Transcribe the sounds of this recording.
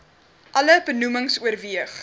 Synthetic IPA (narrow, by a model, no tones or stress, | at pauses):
ʔɐləbənuməŋsuərviəχ